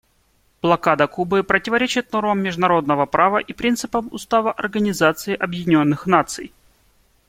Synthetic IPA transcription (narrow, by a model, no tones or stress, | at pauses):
b̥lˠɐkad̪əkubɨpɾətʲɪvɐɾʲet͡ɕɪt̪̚no̞rməmːʲɪʐd̪ʊnɐɾo̞d̪nəvəpɾavəʔipɾʲint̪sɨpəmʊ̰st̪avəʔɐ̰rɡənʲɪzat̪sɨɪʔɐbjɪnʲo̞nːɨxnat̪sɨ̰j